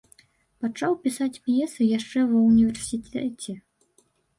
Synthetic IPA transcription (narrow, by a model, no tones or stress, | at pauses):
pat͡ʂawpʲisat͡sʲpjɛsɨjaʂt͡ʂɛvɐwnʲivʲɛrsʲit̪ɛt͡sʲɛ